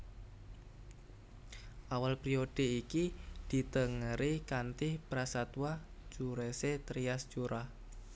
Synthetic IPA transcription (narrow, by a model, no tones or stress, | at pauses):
ʔawalpɾioɖ̥e̤ikid̪̥i̤t̪əŋəɾikant̪ɪhpɾasat̪wḁ | t͡ʃuɾeset̪ɾiast͡ʃuɾʔah